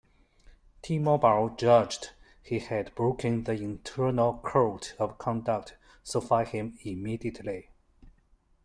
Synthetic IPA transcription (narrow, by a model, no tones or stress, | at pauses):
tʰimɔbald͡ʒʌd͡ʒd | hihɨdbɹokʰə̃nðiɪ̃ntʰɜ˞nəlˠkʰoʊtʌv̥kʰɑ̃ndək̚t | səfaɪhɪ̃mimidiəʔʰli